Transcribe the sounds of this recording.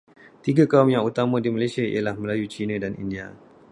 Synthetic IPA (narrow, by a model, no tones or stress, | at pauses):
t̪iɡakaumjaŋut̪amãdimalasiaḭjalahməlajut͡ʃinãdanʔḭndia